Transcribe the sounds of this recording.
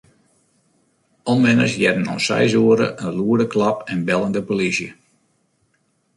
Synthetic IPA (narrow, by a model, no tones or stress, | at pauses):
ɔnʋɪnə̰sjɛdənɔ̰nsɛ̰jzuəɾə̰ʔənluədəklɑpɛnbɛlˠəndəpolisjə